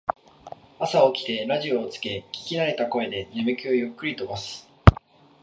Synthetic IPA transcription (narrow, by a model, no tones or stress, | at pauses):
asao̞kʲi̥t̪e̞ɾaʑio̞ːt͡sɨ̥ke̞kʲi̥kʲiɾaɾe̞t̪ako̞e̞d̪e̞ne̞mɯ̟kʲɨːjokːɯ̟ɾʲit̪o̞basɨ̥